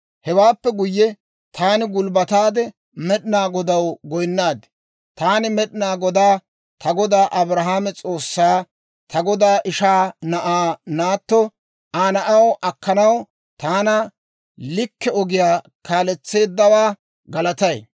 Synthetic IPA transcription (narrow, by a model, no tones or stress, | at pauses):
hɛwaːpːɛɡʊjːɛ | t̪ʰaːnɪɡʊlbɐt̪aːd̪ɛ | mɛɗɪnaːɡɔd̪ɐwɡɔjnːaːd̪ɪ | t̪aːnɪmɛɗɪnaːɡɔd̪aː | t̪ʰɐɡɔd̪aːʔɐbɾɐɦaːmɛt͡sʼoːsːaː | t̪ɐɡɔd̪aːʔɪʃaːnɐʔaːnaːt̪ːɔ | aːnɐʔɐwʔɐkːɐnɐw | t̪aːnɐ | lɪkːɛɔɡɪjaː | kaːlɛt͡sːe̞ːd̪ːɐwaː | ɡɐlɐt̪ɐj